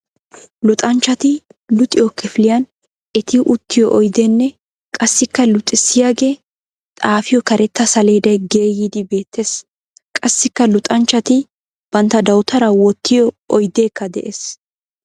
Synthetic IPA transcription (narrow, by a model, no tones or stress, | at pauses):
lʊt̪ʼɐnt͡ʃːɐt̪ɪ | lʊt̪ʼɪjɔkːɛfɪlɪjɐn | ʔɛt̪ɪʔʊt̪ːɪjɔ̰ʔɔjd̪enːɛ | kʼɐsːɪkːɐlʊt̪ʼːɪsːɪjaːɡe̞ː | t̪ʼaːfɪjɔkɐɾɛt̪ːɐsɐleːd̪ɐjɡe̞ːjid̪ɪbe̞ːt̪ʰːeːs | kʼɐsːɪkːɐlʊt̪ʼɐnt͡ʃːɐt̪ɪ | b̥ɐnt̪ːɐd̪ɐwt̪ɐɾɐwɔt̪ʰːɪjɔ | ɔjd̪e̞ːkːɐd̪ɛ̰ʔeːs